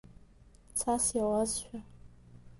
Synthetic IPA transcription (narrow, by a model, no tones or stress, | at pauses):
t͡sʰasjawazʃᶣa